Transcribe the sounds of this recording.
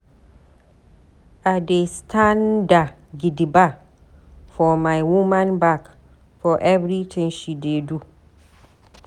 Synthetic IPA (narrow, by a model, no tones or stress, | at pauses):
adestʰãnda | ɡidiba | fɔmajwumãnbak | fɔʔɛvɹitʰĩŋʃidedu